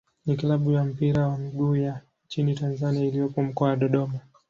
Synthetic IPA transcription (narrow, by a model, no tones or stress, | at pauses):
niklaɓujam̩piɾawamiɡuːja | nt͡ʃinitanzaniailijɔpɔm̩kɔawaɗɔɗɔma